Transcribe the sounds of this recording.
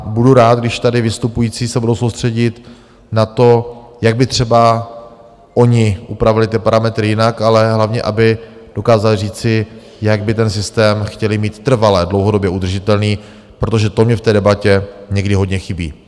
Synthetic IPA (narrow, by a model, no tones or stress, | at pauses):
buduɾaːt̪̚ɡdɪʃt̪adɪvɪst̪upujiːt͡siːsɛbudowso̞wst̪r̝̥ɛɟɪt̪ | nat̪o̞jaɡ̚bɪt̪r̝̥ɛba | ʔo̞ɲɪʔupɾavɪlɪt̪̬ɪpaɾamɛt̪ɾɪjɪnakalɛɦlavɲɛ̰ʔabɪ | d̥o̞kaːzalɪriːt͡sɪ | jaɡbɪt̪ɛnsɪst̪ɛːmxcɛlɪmiːt̪ːr̩valɛdlowɦodo̞bjɛʔud̪r̩ʒɪt̪ɛlniː | pɾo̞t̪̬oʒɛt̪omɲɛft̪ɛːdɛbacɛɲɛɡdɪɦo̞dɲɛxɪbḭː